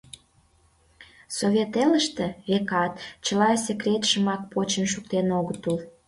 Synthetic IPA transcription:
soβʲet̪eləʃt̪ĕekɑt̪t͡ɕəlɑsʲekɾʲet̪ʃəmɑk̚pot͡ɕənʃuk̚t̪enoɣət̪ul

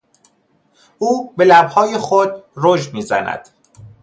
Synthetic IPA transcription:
ʔuːbe̞læbhɒːjexod̪roʒmiːzæ̰næ̰d̪̥

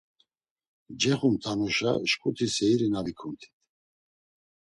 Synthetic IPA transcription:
d͡ʒɛχumt̪ʰanuʃa̰ʃkʰʼut̪ʰisɛiɾinavikʰunt̪ʰi̥t̪ʰ

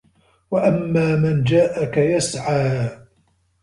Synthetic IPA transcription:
waʔamːaːmand͡ʒaːʔakajasʕaː

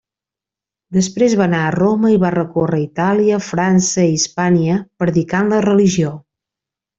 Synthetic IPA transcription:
d̪əspɾezβanaəroməiβarəkorəit̪aliəfɾansəispaniəpɾəðikanlərəliʒio

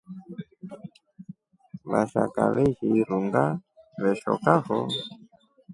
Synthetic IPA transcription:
βaʃakaβɛʒiiɾuŋɡaβɛʃɔkaɦɔ

